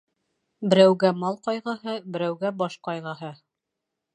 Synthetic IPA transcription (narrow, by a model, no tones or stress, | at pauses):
bɘ̆ɾæwɡæmɑlˠqɑjʁɤɦɤbɘ̆ɾæwɡæbɑʃqɑjʁɑɦɤ